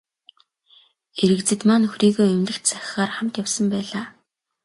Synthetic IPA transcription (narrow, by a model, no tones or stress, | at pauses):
eɾɘ̆kt͡sɘ̆t̪maːnɵxriːɣoːɵmnɘ̆xt̪t͡saxʲɪχaːrχam̥t̪jawsə̆mpæːɮaː